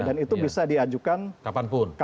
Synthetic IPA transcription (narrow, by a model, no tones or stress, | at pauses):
danit̪ubisadiad͡ʒukankapanpʊnka